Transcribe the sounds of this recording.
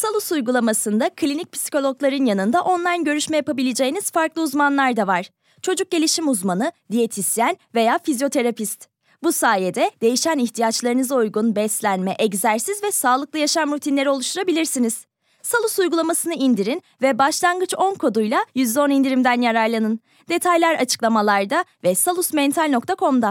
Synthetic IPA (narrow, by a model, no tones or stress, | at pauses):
salˠusujɡulˠamasɯnd̪akʰlʲinic̚pʰi̥si̥co̞lʲˠo̞klˠaɾɯnjanɯnd̪aʔo̞nlˠajnɟø̞ɾyʃmɛjapabilʲe̞d͡ʒe̞jiniz̥faɾklˠɯuzmanlˠaɾd̪avaɾ̥ | t͡ʃʰo̞d͡ʒuk̚ɟe̞lʲiʃimuzmanɯd̪ije̞t̪ʰisjænve̞jaːfizjo̞t̪ʰe̞ɾapist̪ | busaːjed̪ɛd̪e̞jiʃæniçt̪ʰijat͡ʃlˠaɾɯnɯzaujɡunbɛslʲænmɛʔɛɟzæɾsizvɛsaːlˠɯk̚lˠɯjaʃamɾut̪ʰinlʲe̞ɾio̞lˠuʃt̪ʰuɾabilʲiɾsiniz̥ | salˠusujɡulˠamasɯnɯind̪iɾin | vɛbaʃlˠanɡɯt͡ʃo̞nkʰo̞d̪ujlˠajyzd̪ɛo̞nind̪iɾimd̪ænjaɾaɾlˠanɯn | d̪e̞t̪ʰajlʲæɾat͡ʃʰɯ̥klˠamalˠaɾd̪avɛsalˠusmɛnt̪ʰalʲno̞k̚t̪ʰakʰo̞md̪a